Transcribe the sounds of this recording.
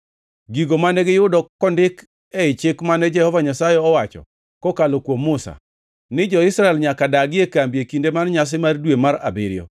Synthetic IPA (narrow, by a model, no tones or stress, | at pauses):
ɡiɡomanɛɡɪjʊdɔkɔndɪk | ɛɪt͡ʃɪkmanɛd͡ʒɛhɔvaɲasajɛɔwat͡ʃɔ̰ | kɔkalɔkwomːʊsa̰ | nɪd͡ʒɔɪsɾaɛlɲakadaɡɪekambjekindemanɲas̬ɪmardwemaɾa̰bɪɾɪjɔ̰